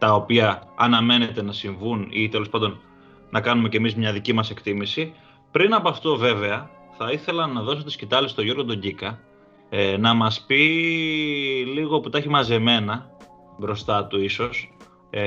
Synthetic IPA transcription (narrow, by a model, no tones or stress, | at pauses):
t̪ɐo̞piɐːnɐme̞ne̞t̪e̞nɐsiɱvunit̪e̞lo̞spɐnd̪o̞n | nʔɐkɐnume̞ce̞mizmɲɐðicimɐse̞kt̪imisi | pɾinɐpoɐft̪o̞ve̞ve̞ɐ | θɐiθe̞lɐnɐðo̞so̞t̪i̥scit̪ɐlist̪o̞jʝo̞ɾɣod̪o̞ɲɟikɐ | nɐmɐspi | liɣoput̪ɐçimɐze̞me̞nɐ | bɾo̞st̪ɐt̪uiso̞s